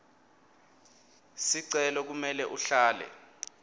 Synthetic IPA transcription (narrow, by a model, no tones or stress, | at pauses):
siǀɛlɔk̬umɛlɛʔuɬaːlɛ̰